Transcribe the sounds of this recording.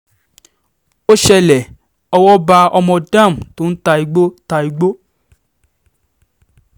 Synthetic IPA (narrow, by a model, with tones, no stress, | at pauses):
o˦ʃɛ˧lɛ˨ | ɔ˧wɔ˦ba˧ɔ˧mɔ̃˧dã˦˨m̩˨to˦n̩˦ta˧i˨ɡ͡bo˦ta˧i˨ɡ͡bo˦